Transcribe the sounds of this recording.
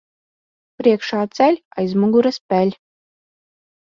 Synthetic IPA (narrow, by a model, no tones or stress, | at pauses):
pɾiɛkʃaːt̪sælʲajzmuɡuɾaspʲælʲ